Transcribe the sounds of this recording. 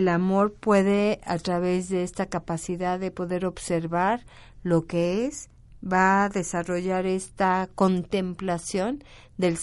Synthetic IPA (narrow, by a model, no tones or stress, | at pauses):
lamo̞ɾpwe̞ðe̞at̪ɾaβe̞zðe̞est̪akapasiðaððe̞po̞ðe̞ɾo̞βse̞ɾβaɾ | lo̞keez | baðe̞saro̞ʝaɾe̞st̪ako̞nt̪e̞mplasjo̞n | d̪e̞l